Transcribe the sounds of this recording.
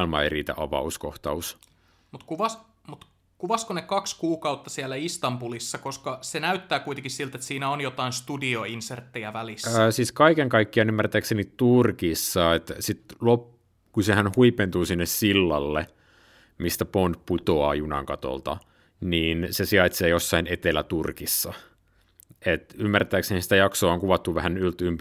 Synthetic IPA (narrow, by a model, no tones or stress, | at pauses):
lmɑerit̪æ̰ʔɑ̰ʋɑ̰uskoht̪ɑus | mut̪kuʋɑs | mut̪ | kuʋɑskonekɑkskuːkɑut̪ːɑsiælːæist̪ɑmbulisːɑkoskɑsenæyt̪ːæːkuit̪eŋkissilt̪et̪siːnæonjot̪ɑinst̪udioinsert̪ːejæʋælisːsiːskɑikeŋkɑikːiɑnymːært̪æːksenitt̪urkisːɑet̪sit̪lop | kusehænhuipent̪uːsinːessilːɑlːe | mist̪æpont̪put̪oɑ̰ːjunɑ̰ŋkɑt̪o̰lt̪ɑ̰ | niːnsesiɑit̪seːjosːɑinet̪elæt̪urkisːɑ | et̪ymːært̪æːksenisi̥t̪æjɑksoːoŋkuʋɑt̪ːuʋæhænylt̪ymp